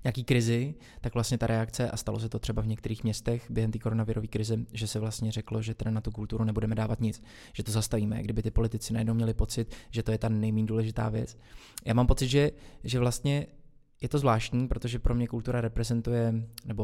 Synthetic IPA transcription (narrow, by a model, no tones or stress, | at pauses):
ɲɛakiːkɾɪzɪ | t̪akvlast̪ɲɛt̪aɾʔɛakt͡sɛʔast̪alo̞sɛt̪o̞t̪r̝̥ɛbavɲɛkt̪ɛɾiːxmɲɛst̪ɛxbjɛɦɛmt̪iːko̞ɾonavɪɾʔo̞viːkɾɪzɛʒɛsɛvlast̪ɲɛrɛklo̞ʒɛt̪ɛdanat̪ukult̪uɾunɛbudɛmɛdaːvat̪ɲɪt͡s | ʒ̥ɛt̪ozast̪aviːmɛ̰ɡdɪbɪt̪ɪpo̞lɪt̪ɪt͡sɪnajɛdnowmɲɛlɪpo̞t͡sɪt̪ʒ̥ɛt̪o̞jɛt̪anɛjmiːnduːlɛʒɪt̪a̰ːvjɛ̰t͡s | jaːmaːmpo̞t͡sɪd̪ʒɛʒɛvlast̪ɲɛ | jɛt̪o̞zvlaːʃcɲiːpɾo̞t̪o̞ʒɛpɾo̞mɲɛkult̪uɾaɾɛpɾɛzɛnt̪ujɛnɛbo̞